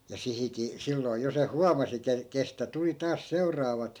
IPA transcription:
jɑ sihiki silːoi̯ jo se huɑmɑsi ke kestæ tuli tɑːs seu̞rˑɑːʋɑt

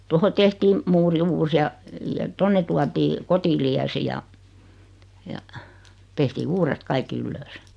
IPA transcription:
toho tehtiːm muːri uːs jɑ jɑ tonːe tuɑtiː kotiliæsi jɑ jɑ tehtiː uːret kɑikːi ylːøːs

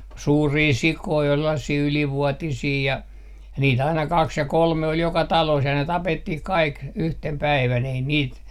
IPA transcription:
suːriː sikoi ol selːɑsiː yliʋuotisiː jɑ niːt ɑinɑ kɑks jɑ kolme ol jokɑ tɑloːs jɑ ne tɑpetːih kɑik yhtem pæiʋæn ei niːt

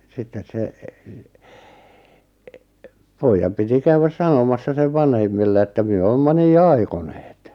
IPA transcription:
sitːes se poijːɑm piti kæywæs sɑnomɑsːɑ seʋ ʋɑnhemːilːe etːæ myø oːmːɑ niː ɑikoneːt

